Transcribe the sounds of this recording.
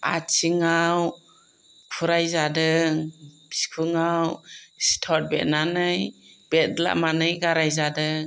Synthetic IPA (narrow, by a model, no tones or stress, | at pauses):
a̰t͡ʃʰiŋaw | pʰuɾajzadɯŋbi̥skʰuŋawstʰɔt̚bɛtnanɯjb̥ɛt̚la̰ʔmanɯjɡaɾajzadɯŋ